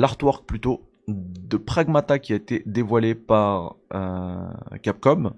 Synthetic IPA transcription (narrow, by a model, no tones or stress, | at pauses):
laʁt̪wɔʁk̚plyt̪o | d̪əpχaɡmat̪akʲiaet̪ed̪evwalepaʁø̰ | kʲap̚kɔm